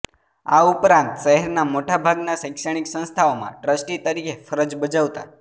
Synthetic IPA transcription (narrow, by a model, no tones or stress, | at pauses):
a̰upɾãnt̪ʃəɦɛɾnamoʈabʱaɡnasə̃ɪkʃəɽ̃iksə̃st̪ʰaomã̰ʈɾəsʈit̪əɾikʰefəɾəd͡ʒbəd͡ʒaʋt̪a̰